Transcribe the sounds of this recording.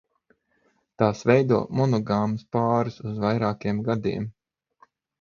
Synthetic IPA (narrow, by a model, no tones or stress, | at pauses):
t̪aːsvɛjd̪uɔmɔnɔɡamɨspaːɾusuzvajɾaːkiɛmɡad̪ḭɛm